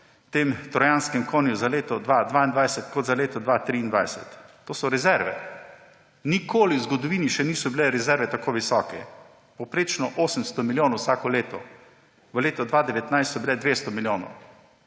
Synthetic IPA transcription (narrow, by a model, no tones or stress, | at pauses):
t̪eːmt̪ɾɔjanskɛmkoːnjuzaleːt̪ɔd̪ʋad̪ʋaind̪ʋajsɛt̪kɔd̪zaleːt̪ɔd̪ʋat̪ɾiːnd̪ʋa̰jsɛt̪ː | oːsɔɾɛzɛɾʋɛ̰ | nikʰoːliwzɡɔd̪ɔʋiːniʃɛniːsɔbilɛɾɛzɛɾʋɛt̪akoːʋisɔːkɛ̰ | pɔwpɾeːt͡ʃnɔʔoːsəmst̪ɔmiljoːnɔwsaːkɔleːt̪ɔ̰ | ʋəleːt̪ɔd̪ʋaːd̪ɛʋɛt̪najst̪sɔbilɛd̪ʋeːst̪ɔmiljoːnɔ̰w